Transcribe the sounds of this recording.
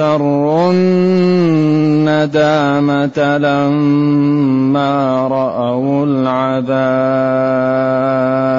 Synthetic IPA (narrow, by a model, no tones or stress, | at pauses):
ɑɾˤːʊn | ad̪aː | mat̪ala | mː | aː | ɾˤɑʔawʊl | ʕaðaː